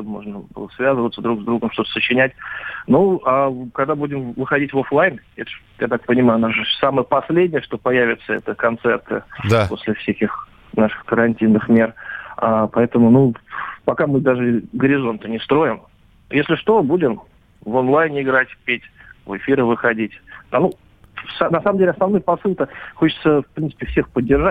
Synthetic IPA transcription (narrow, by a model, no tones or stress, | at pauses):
t̪omo̞̰ʐnəbɨ̰lˠəsvʲazəvət̪səd̪ɾuɡzd̪ɾuɡəmʂt̪o̞t̪ə̥sət͡ɕːɪnʲætʲnuakɐɡd̪abudʲɪmvɨxɐdʲitʲvoflˠajnɛt̪ə̥ʂ | jat̪ak̚pənʲɪmajʊnaʐɨsaməjəpɐsʲlʲedʲnʲɪjəʂt̪o̞pɐjævʲɪt̪səɛ̰t̪əkɐnt̪sɛrt̪ɨ̰d̪apo̞̰sʲlʲɪfsʲækʲɪx | naʂɨ̥xkəɾɐnʲtʲinːɨxmʲe̞rapɐɛt̪əmʊnupɐkamɨd̪aʐɨɡəɾʲɪzo̞nt̪ənʲɪst̪ɾo̞jɪm | jesʲlʲɪʂt̪o̞budʲɪm | vonlˠajnʲɪɡɾatʲpʲetʲvɨfʲiɾəvɨxɐdʲitʲd̪anu | sanɐsaməmdʲelʲɪɐsnɐvnojpɐsɨlˠk̪əxot͡ɕɪ̥t̪səfpɾʲinsɨ̥pʲɪfsʲexpədʲːɪrʐa